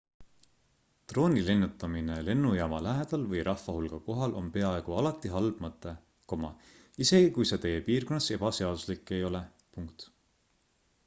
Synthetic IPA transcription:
t̪ro̞ːnʲile̞nːut̪ːˑɑmine̞le̞nːujɑːmɑlæɦed̪̥ɑlvɤjɾʔɑhfɑhulɡ̥ɑko̞ɦɑlʔo̞mpe̞ɑe̞ɡ̥uɑlɑt̪ːˑiɦɑlb̥mɤt̪ːˑe | ko̞mɑ̰ | ise̞ɡ̥ikujse̞t̪e̞je̞piːrko̞nːɑse̞b̥ɑse̞ɑd̪̥uslikːˑe̞jo̞le̞ | puŋkt̪

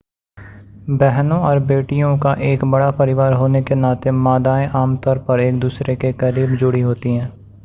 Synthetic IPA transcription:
bɛɦnõɔːɾbeːʈijõkaʔeːkbɐɽapɐɾɪʋaːɾɦoːnekenaːt̪emaːd̪aːẽʔaːmt̪ɔːɾpɐɾeːk̚d̪uːsɾekekəɾiːbd͡ʒʊɽiɦoːt̪iɦɛ̃ː

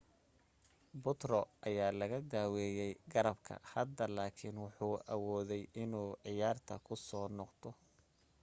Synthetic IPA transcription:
bʊt̪rɔʔɐjaːlɐɣɐd̪aːwɛːjɛjɡɐɾɐbkʰɐ̰hɐd̪ɐlaːkʰɪnwʊħuːʔɐwɔːðɛjɪnuːʕɪjaːrt̪ʰɐ̰kʰʊsɔːnɔqt̪ʰɔ

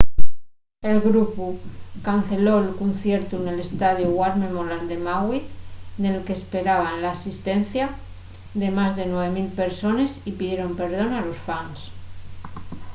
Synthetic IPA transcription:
e̞lɣɾupukan̟θe̞lo̞elkunθje̞ɾt̪une̞le̞st̪að̞juɣwaɾmemolald̪e̞maɣwit̪ne̞lkespe̞ɾaβ̞aenlaːsist̪e̞n̟θja | ðe̞mazðe̞nwe̞β̞e̞milpe̞ɾso̞ne̞sipiðje̞ɾo̞mpe̞ɾð̞o̞nalo̞sfans

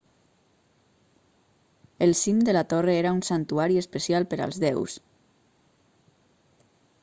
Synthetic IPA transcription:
elˠsimd̪əlat̪oreeɾaunsant̪uaɾiespəsialˠpəɾa̰lˠzðɛws

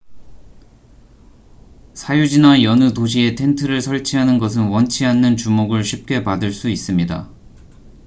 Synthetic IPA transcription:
sʰajud͡ʑinajʌnɯtoɕ̬ʰie̞tʰe̞ntʰɯɾɯɭsʰʌɭt͡ɕʰiɦanɯnɡʌs̬ʰɯnwʌnt͡ɕʰiɦanːɯnt͡ɕumoɡɯɭɕʰip̚k͈e̞padɯɭs͈uis͈ɯmɲida̰

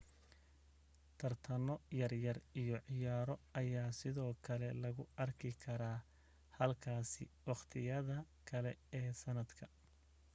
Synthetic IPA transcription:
t̪ʰɐrt̪ʰɐmɔjɐrjɐrijɔʕɪjaːɾɔɐjaːsɪðɔːkʰɐlɛlɐɣʊɐrkʰɪkʰɐɾaː | hɐlkʰaːsɪwɑχt̪ʰɪjɐðɐ | kʰɐlɛɛːsɐnɐd̪kʰɐ

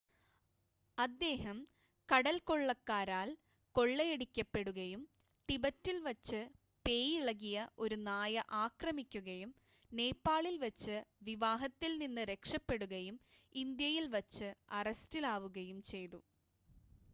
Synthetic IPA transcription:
ɐd̪ːe̞ːɦɐm | kɐɽɐlko̞ɭːɐkːaːɾaːl | ko̞ɭːɐjeɽikʲːɐpːe̞ɽuɣɐjum | ʈibɐtːilʋɐt͡ɕːɨ | pe̞ːjiɭɐɣijɐʔo̞ɾunaːjɐʔaːkrɐmikʲːuɣɐjum | ne̞ːpːaːɭilʋɐt͡ɕːɨʋiʋaːɦɐt̪ːilninːɨɾe̞kʂɐpːe̞ɽuɣɐjum | ind̪jɐjilʋɐt͡ɕːɨɐrɐstilaːʋuɣɐjumt͡ɕe̞jt̪u

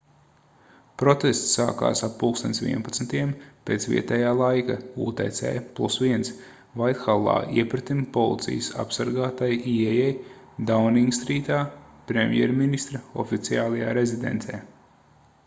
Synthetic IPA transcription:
pɾɔt̪est̪sːa̰ːka̰ːsappuːkst̪onʲt̪sʲʋḭɛnpat̪smt̪iɛmpeːt̪svḭɛt̪ɛjaːlˠajkauːt̪ɛjt̪sɛ̰ːjplˠusviɛns | vajt̪xalˠːa̰ːʔiɛpɾet̪impɔlˠḭt̪sḭjəsa̰psaɾɡaːt̪ajiɛjɛj | d̪awniiŋɡst̪ɾiːt̪aːpɾemʲjɛ̰ɾminist̪ɾɐɔ̰fit̪siaːlˠajaːɾezid̪ḛnt̪sɛː

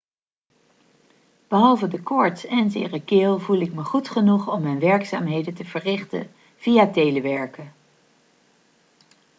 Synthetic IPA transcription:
b̥əɦɑlˠvədəkɔɹtsɛnzɪ̰ːrəkɪːlˠvulˠɪk̚məχutχənuχɔmːɛjnʋɛɹksa̰ːmɦejdəntəv̥ərɪχtə̰ | v̥ijatejləʋɛɹkə

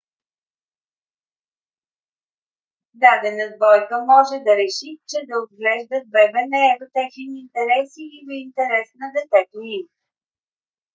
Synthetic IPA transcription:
d̪ad̪ɛnəzbɔjkəmɔʒɛd̪ɐɾɛʃit͡ʃɛd̪ɐod̪ɡlɛʒd̪ət̪̚bɛbɛnɛɛvət̪ɛxinint̪ɛɾɛsiːvəint̪ɛɾɛsnɐd̪ɛt̪ɛt̪oim

